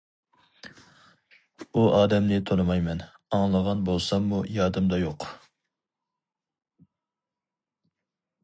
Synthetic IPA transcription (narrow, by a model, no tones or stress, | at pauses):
uʔɑːd̪ɛmnɪt̪ʰonɨmɑjmɛn | ɑŋlˠəʁɑnbolˠsɑmːujɑɾd̪ɨmd̪ɑjoq